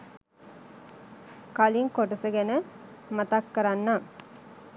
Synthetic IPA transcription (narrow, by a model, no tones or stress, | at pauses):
kaliŋkoʈɐsəɡenə | mɐt̪ɐkːɐɾanːaː